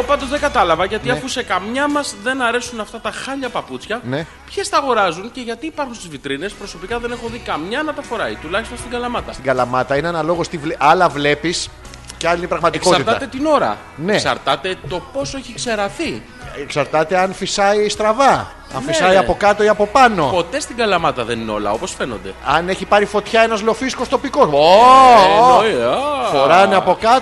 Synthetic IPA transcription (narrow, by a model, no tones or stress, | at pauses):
opɐnd̪ozðeɡɐt̪ɐlɐvɐʝɐt̪iɐfuse̞kɐmɲɐmɐzðe̞nɐɾe̞sunɐft̪ɐt̪ɐxɐʎɐpɐput͡sçɐne̞ | pçest̪ɐɣo̞ɾɐzunce̞ʝɐt̪iːpɐɾxunst̪izvit̪ɾine̞spɾo̞so̞pikɐðe̞ne̞xoðikɐmɲɐnɐt̪ɐfo̞ɾɐit̪ulɐçist̪o̞nst̪iɡɐlɐmɐt̪ɐ̰st̪iɡɐlɐmɐt̪ɐineenɐlo̞ɣost̪ivlʔɐlɐvle̞pis | ceɐlinipɾɐɣmɐt̪eiko̞sɐɾit̪ɐt̪e̞t̪ino̞ɾɐ̰ | nee̞ksɐ̰ɾt̪ɐt̪e̞t̪o̞po̞soeçikse̞ɾɐθi | eksɐɾt̪ɐt̪e̞ɐnfisɐist̪ɾɐvɐ | ɐnisɐiɐpo̞kɐt̪o̞iɐpo̞pɐno̞po̞t̪e̞st̪iɡɐlɐmɐt̪ɐðenineo̞̰lɐ̰o̞po̞sfe̞nond̪eɐneçipɐɾifo̞t̪çɐe̞nɐzlo̞fisko̞st̪o̞piko̞so | foɾɐneɐpo̞kɐt̪